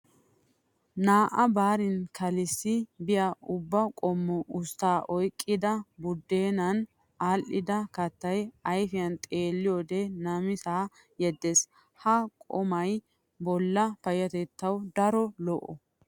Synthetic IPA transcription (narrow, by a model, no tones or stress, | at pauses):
naːʔɐbaːɾɪnkʰɐlɪsːɪbɪjɐʊbːɐkʼɔmːɔʔʊst̪ːaːʔɔjkʼːɪd̪ɐbʊd̪ːeːnɐn | aːlʔɪd̪ɐkɐt̪ːɐjɐjfɪjɐnt̪ʼe̞ːlːɪjoːd̪enɐmɪt̪aː | jɛd̪ːes | hɐkʼɔmɐj | bɔlːɐfɐjɐt̪ɛt̪ːɐwd̪ɐɾɔlɔʔːɔ